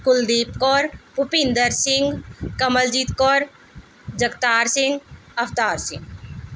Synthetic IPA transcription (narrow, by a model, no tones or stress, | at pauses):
kʊld̪iːpkɔːɾpʊpɪ̃nd̪əɾsɪŋɡkɐməld͡ʒiːt̪kɔːɾ | d͡ʒəkt̪aːɾsɪ̃ŋɡɐft̪aːɾsɪ̰̃ŋɡ